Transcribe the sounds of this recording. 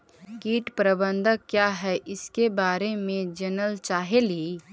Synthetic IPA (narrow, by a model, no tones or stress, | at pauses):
kiːʈpɾəbə̃nd̪ʱəkjaːɦɛʔɪskebaːɾemẽd͡ʒənəlt͡ʃaːɦeli